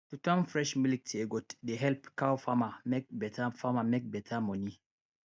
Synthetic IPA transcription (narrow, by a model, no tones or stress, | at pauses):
tutãmfɹɛʃmilik̚teɡɔtdeɦɛlpkawfamamek̚bɛtafamamek̚bɛtʰamɔni